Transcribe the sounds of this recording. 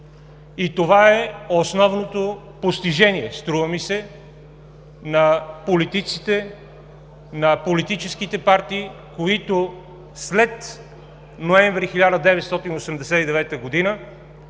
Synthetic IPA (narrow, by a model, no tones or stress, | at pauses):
it̪ovaɛosnɔvnot̪o | post̪iʒɛniɛst̪ɾuvəmisɛ | nɐpolit̪it̪sit̪ɛ | nɐpolit̪it͡ʃɛsk̟it̪ɛpaɾt̪iː | koit̪o | slɛt̪ | noɛ̃ɱvɾixilʲad̪əd̪ɛvɛt̪st̪ɔt̪inosɛmd̪ɛsɛid̪ɛvɛt̪əɡod̪inə